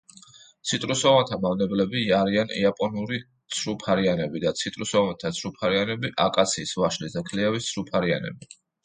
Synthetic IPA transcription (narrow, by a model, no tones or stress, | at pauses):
t̪sʰit̪ʼɾusɔvant̪ʰamavnɛblɛbiːaɾianḭapʼɔnuɾi | t̪sʰɾupʰaɾianɛbid̪at̪sʰit̪ʼɾusɔvant̪ʰat̪sʰɾupʰaɾianɛbiʔakʼat̪sʰiːsvaʃlisd̪akʰliɛvist̪sʰɾupʰaɾia̰nɛ̰bi